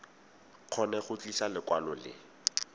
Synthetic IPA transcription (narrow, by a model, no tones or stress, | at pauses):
q͡χʰɔnɛχʊt͡ɬiʃalɪkwalɔlɪ̰